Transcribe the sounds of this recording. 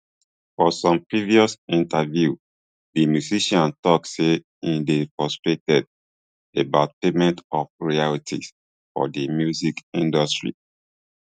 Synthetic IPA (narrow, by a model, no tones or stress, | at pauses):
fɔsɔ̃mpɹiviɔsĩntavju | dimjuziʃãntɔkse | ĩndepɹɔstɹetɛd̚ | ebat̚pemɛ̃ntɔfɹialitʰḭs | fɔ̰dimjuzikĩndɔstɹḭ